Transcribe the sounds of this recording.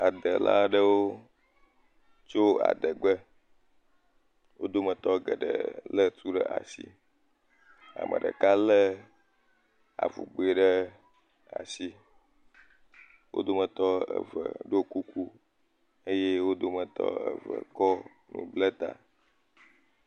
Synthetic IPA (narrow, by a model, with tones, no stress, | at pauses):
a˨d̪ə˨la̰˦ɖə˦wo˦ | t͡ʃo˦a̰˨d̪ə˨ɡ͡bə˦ | wo˦d̪o˦mə˨t̪ɔ˦ɡə˨ɖə̰˨lə˦t̪ʰu˦ɖə˦ʔa˨sḭ˦ | a̰˨mʔə̰̃˨ɖə̰˨ka˦lə˦ | a˨vṵ˨ɡ͡bo˨e˨ɖə˦ | a˨si˦ | wo̰˦d̪o˦mə̃˨t̪ɔ˦ə̰˨və̰˨ɖo˦ku˦ku˦ | ə˦je˦wo˦d̪o˦mə̃˨t̪ɔ̰˦ə̰˨və̰˨kɔ˦ | nṵ̃˨blə˦t̪a˨